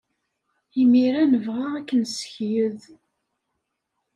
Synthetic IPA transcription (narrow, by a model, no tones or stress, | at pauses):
imiɾænəvʁaækːənsə̥çjəð